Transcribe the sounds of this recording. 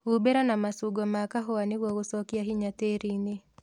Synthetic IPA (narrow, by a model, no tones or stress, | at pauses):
ubeɾanamasuɡɔmakaɦɔwanɪwowʊsɔkjaɦiɲateɾinɪ